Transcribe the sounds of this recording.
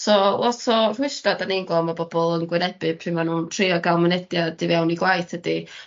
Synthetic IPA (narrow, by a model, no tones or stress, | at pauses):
sɔlˠɔtʰɔr̥ʊɨstadaniŋɡlˠɔmabɔbɔlˠənɡwɪnɛb̥ɪpʰrɪmanuːntʰriɔɡalˠmɪnɛdjad̥ivɛwniɡlˠajθʰhədi